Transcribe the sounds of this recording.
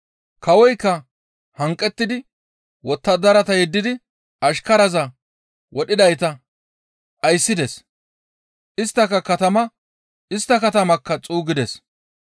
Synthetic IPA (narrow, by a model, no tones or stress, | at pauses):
kʰɐwɔjkːɐ | hɐŋkʼːɛt̪ːɪd̪ɪ | wɔt̪ːɐd̪ɐɾɐt̪ɐjɛd̪ːɪd̪ɪ | ʔɐʃkɐɾɐzɐ | wɔɗɪd̪ɐjt̪ɐ | ʔɐjsːɪd̪ɛs | ʔɪst̪ːɐkːɐkɐt̪ɐmɐ | ʔɪst̪ːɐkɐt̪ɐmɐkːɐt͡sʼuːɡɪd̪ɛs